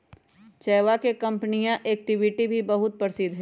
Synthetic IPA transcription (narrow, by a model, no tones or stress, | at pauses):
t͡ʃɛːʋakekɐ̃mpənijãʔeːk̚ʈɪʋiʈibʱibɐɦʊt̪̚pɐɾsid̪ɦɛ̃